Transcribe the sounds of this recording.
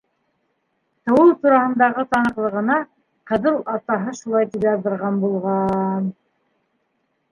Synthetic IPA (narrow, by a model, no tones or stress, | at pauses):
t̪ɤ̆wɤlˠt̪uɾɑhɤ̆nd̪ɑʁɤt̪ɑnɤ̆qlˠɤ̆ʁɤ̆nɑ | qɤ̆ðɤlˠɑt̪ɑɦɤʃulˠɑjt̪iβɑɾðɤ̆ɾʁɑnbulˠʁɑn